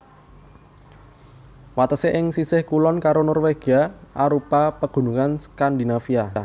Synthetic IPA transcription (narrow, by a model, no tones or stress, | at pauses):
wat̪əseʔɪŋsisɪhkulɔnkaɾonɔrweɡ̥aaɾupapəɡ̥ṳnuŋanskand̪inafia